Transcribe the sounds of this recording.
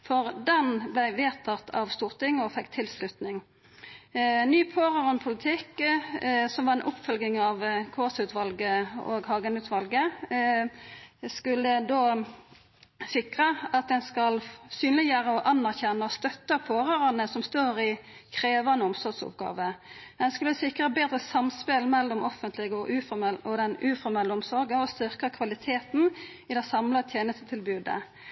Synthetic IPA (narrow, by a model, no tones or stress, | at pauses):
fɔʁd̪ɛnblæɪʋeːt̪ʰɑt̪ʰɑ̰ʋst̪uːʁt̪ɪŋːɔfɛkːt̪ʰɪlslʉt̪nɪŋ | nyːpʰoːʁəʁɑnpʰʊlɪt̪ʰɪk | sɔmʋɑʁɛnʔʊpːfœlɡɪŋɑʋkʰoːsʉːt̪ʋɑlɡəo̰ɡhɑːɡənʉːt̪ʋɑlɡə | skʉlːəd̪oː | sɪkʁəɑt̪̚d̪ɛnskɑlsyːnlɪjøːʁəɔʔɑnːæʁçɛnːəɔst̪œt̪ːəpʰoːʁøːʁɑnəsɔmst̪oːɾɪkʰʁeːʋɑnəɔmsɔʁɡsʊ̰p̚ɡɑ̰ːʋəd̪ɛnskʉləsɪkːʁəbeːd̪ʁəsɑmspɪlmɛlːɔmɔfənt̪ʰlɪɡəɔʔʉːfɔmɛlɔd̪ɛnʉːfɔɾmɛlːəɔmsɔɾɡəɔst̪ʏʁkəkʰʋɑlɪt̪ʰeːt̪n | ɪd̪ɛsɑmlət̪ʰjeːnəst̪ət̪ʰɪlbʉːd̪ə̰